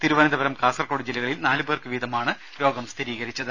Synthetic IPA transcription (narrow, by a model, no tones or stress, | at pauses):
t̪iɾuʋɐnɐnd̪ɐbɐɾɐmkaːsɐrkoːɽid͡ʑilːɐɣɐɭilnaːlɨbeːrkɨʋiːd̪ɐmaːɳɨ | ɾo̞ːɡɐmst̪ʰiɾiːɣɐɾit͡ɕːɐðɨ